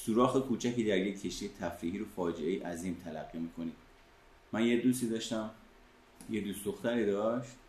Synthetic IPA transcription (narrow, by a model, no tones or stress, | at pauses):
suːɾɒːxekʰuːt͡ʃʰækiːd̪æɾjecʲʰːe̞ʃt̪ijet̪ʰæfɾiːɦiːɾofɒːd͡ʒeejiʔæziːmt̪ʰælæ̰ɡːimiːkʰo̞ni̥ː | mænjed̪uːsiːd̪ɒːʃt̪æm | jed̪usd̪oxt̪ʰæɾiːd̪ɒʃt̪̚